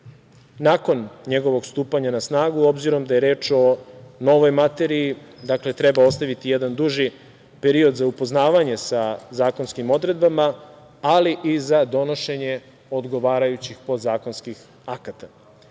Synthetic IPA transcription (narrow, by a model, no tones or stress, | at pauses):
nako̞nɲe̞ɡo̞ʋo̞ɡst̪uːpaɲanasnaːɡuo̞bziɾo̞md̪aje̞ɾe̞ːt͡ʃo̞no̞ʋo̞jmat̪e̞ɾiid̪akle̞t̪ɾe̞bao̞st̪aʋit̪ije̞d̪and̪uʒi | peɾio̞d̪zaupoznaːʋaɲe̞sazaːko̞nskimo̞d̪ɾe̞d̪bamaː | liʔizad̪o̞noʃe̞ɲe̞ | o̞d̪ɡo̞ʋaːɾajut͡ɕixpo̞d̪zaːko̞nskix | akat̪a